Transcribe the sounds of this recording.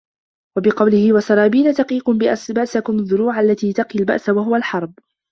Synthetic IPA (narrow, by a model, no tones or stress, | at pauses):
wabɪqɑwlɪhɪwasɑɾˤɑːbiːnat̪ɑqiːqʊmbɪʔbaʔsakʊmaðːʊɾuːʕaʔalːat̪iːt̪aqilba̰ʔsawaɦʊwalħɑɾˤb̚